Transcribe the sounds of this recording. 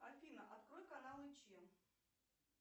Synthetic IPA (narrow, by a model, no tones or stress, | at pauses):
alʲfʲinɐʔat̪kɾɔjkanalˠɨt͡ɕim